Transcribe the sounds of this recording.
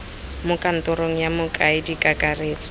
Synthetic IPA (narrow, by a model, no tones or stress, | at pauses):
mʊkʼan̩tɔɾoŋ̩jamʊkʼaɪdikʼakʼareːt͡sʼɔ̥